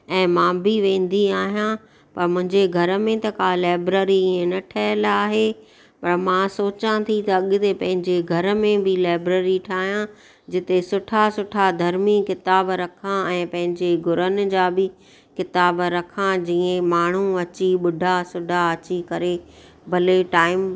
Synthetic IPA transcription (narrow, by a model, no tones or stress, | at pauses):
ɛ̃ːmãːbiʋẽːn̆d̪iaːɦijã | pɐɾmʊ̃ɦɪ̃ɲd͡ʑeɡʱɐɾə̆mẽt̪ɐkalaːbɾəɾiiẽnɐʈʰɐəlaːɦe | pɐɾmãsoːt͡ɕãt̪ʰit̪ɐɐɠt̪epɐ̃ɦɪ̃ɲd͡ʑeɡʱɐɾ̆mẽbɪlaːɪbɾəɾiʈʰaːɦijã | d͡ʑɪt̪esʊʈʰasʊʈʰad̪ʱɐɾmikɪt̪aːbɾɐkʰãɛ̃ːpɐ̃ɦɪ̃ɲd͡ʑeɡʱʊɾənɪ̆d͡ʑaːbɪ | kɪt̪aːbɾɐkʰãd͡ʑiːẽmaːɳ̤uɐt͡ɕiɓʊɖʱasʊɖʱaɐt͡ɕikɐɾe | bʱɐleʈaːɪm